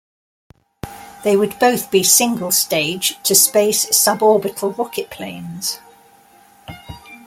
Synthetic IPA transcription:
ðeɪwəd̚bəʊθb̥isɪ̃ŋɡəlˠsteɪd̥ʒ̥tʰəspeɪsʌbɔːbɪtʰˡəl̩ˠɹɒkɪʔpʰl̥ẽɪ̃nz̥

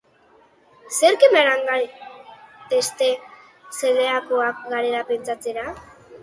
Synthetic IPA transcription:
seɾkemeɾaŋɡaɾ | t̪est̪e | seleakoak̚ɡaɾeɾape̞nt͡sat͡se̞ɾa

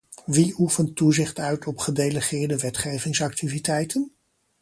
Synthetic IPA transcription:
ʋiufəntːuzɪχtœɥtʰɔpχədejləχɪːɹdəʋɛtχejvɪŋsɑk̚tʰivitɛjtən

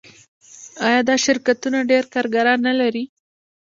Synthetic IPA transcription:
ɑjɑd̪ɑʃɪɾkat̪unaɖeɾkɑɾɡaɾɑnːalaɾi

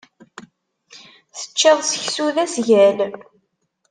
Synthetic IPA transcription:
θə̥t͡ʃːəðˤsəçsuðæsʝæl

